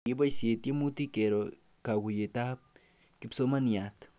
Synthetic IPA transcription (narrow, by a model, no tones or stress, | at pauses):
ebajsjet̪jemut̪ikeɾo | kawujet̪ap̚ | kipsomaniat̪